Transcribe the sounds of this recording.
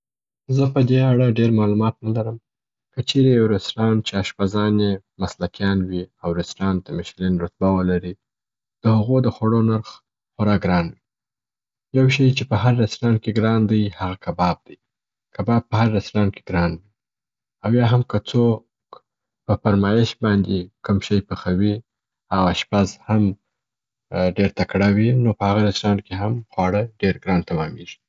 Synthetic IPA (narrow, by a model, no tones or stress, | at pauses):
zəpəd̪eaɽaɖeɾmɑlumɑt̪nalaɾəm | kət͡ʃeɾejawɾasɾɑnt͡ʃeaʃpazɑnje | maslakjɑnwiawɾɪsɾɑnt̪amɪʃlinɾʊt̪̚bawəlaɾi | d̪̥əhaɣod̪əxwaɽonaɾx | xʊɾɑɡɾɑnwi | jawʃəjt͡ʃepəhaɾːaslɑnkeɡɾɑnd̪əjhaɣakabɑb̚d̪̥aj | kabɑb̚pːəhaɾːaslɑnke̥ɡɾɑnwi | awjɑɦamkət͡so | k | pəfaɾmɑjɪʃbɑnd̪ekʊmʃəjpəxawi | awaʃpazham | ɖeɾt̪akɽawinopəhaɣaɾaslɑnkeɦamxwɑɽəɖeɾɡɾɑnt̪amɑmeʒi̥